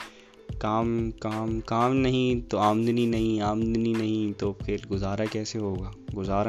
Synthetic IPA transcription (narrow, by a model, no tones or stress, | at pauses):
kaːmkaːmkaːmnɐɦĩt̪oaːmnd̪ninɐɦĩaːmnd̪ninɐɦĩt̪oːxʰeːlɡʊzaːɾakɛːseɦoːɡaːɡʊzaːɾa